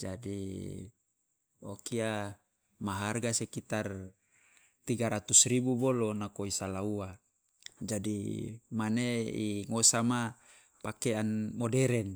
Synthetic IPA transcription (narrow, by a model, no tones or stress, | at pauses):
d͡ʒadi | okia | maɦarɡasekit̪ar | t̪iɡaɾat̪usribubolonakoisalaua | d͡ʒadimaneḭŋosama | pakeanmodeɾɛn